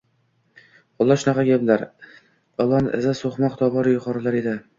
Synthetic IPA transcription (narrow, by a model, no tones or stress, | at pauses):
ɒlˠːɑʃʊnɑqɑɡʲeblaɾ | ɒlˠːɒnɪʔɪ̰zasoχmaqt̪ɒbɒɾjʊqʰɒɾɪlaɾed̪ɪ